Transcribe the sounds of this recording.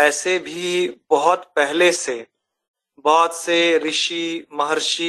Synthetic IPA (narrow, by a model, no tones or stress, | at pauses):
ɛːsebʱibɐɦʊt̪pɛɦlese | baːd̪seɾɪʃimɐɦəɾʃi